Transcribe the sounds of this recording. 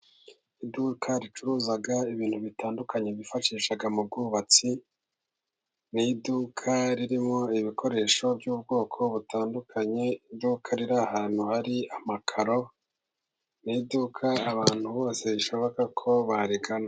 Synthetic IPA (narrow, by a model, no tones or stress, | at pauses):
idukʰaɾit͡ʃuɾuːzaɡaiβiːnhuβitaːndukaɲe̞βifaʃiːʃaɡamub̚ɡuβat͡si | nidukʰaɾiɾimo̞iβiko̞ɾe̞ːʃo̞bjuːbɡo̞ːkʰo̞βutʰaːndukʰaɲe̞idukʰaɾiɾahaːn̥huhaɾiamakʰaɾo̞ | nidukʰaːβaːn̥huβo̞ːse̞iʃo̞βo̞kakʰo̞βaɾiɡana